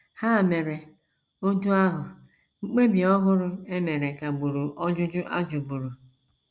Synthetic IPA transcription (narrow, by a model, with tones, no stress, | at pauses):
ha˦˨me˨ɾe˨ | o˦tu˦a˦ɦʊ˨ | ŋ͡m̩˦k͡pe˦bi˨ɔ˦ɦʊ˦ɾʊ˦e˦me˨ɾe˨ka˨ɡ͡bu˨ɾu˨ʔɔ˦d͡ʒʊ˦d͡ʒʊ˦ʔa˦d͡ʒʊ˨bu˨ɾu˨